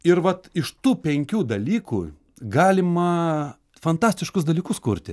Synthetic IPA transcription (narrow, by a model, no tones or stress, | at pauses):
ɪɾʋɐt̪ɪʃt̪uːpʲɛŋʲkʲuːd̪ɐlʲiːkṵː | ɡɑːlʲɪmɐ | fɐnt̪ɑːsʲt̪ʲɪʃkʊsd̪ɐlʲiːkʊskʊɾʲt̪ʲɪ